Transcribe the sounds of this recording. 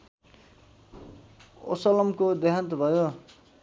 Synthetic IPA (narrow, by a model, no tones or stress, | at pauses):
o̰sʌlʌmkod̪eɦant̪bʱʌjo